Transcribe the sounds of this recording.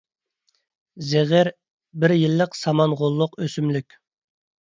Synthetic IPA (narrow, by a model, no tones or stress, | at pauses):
zeʁɪɾ | bɪɾjilːəqsɑmɑnʁolˠːʊqøsymlykʲ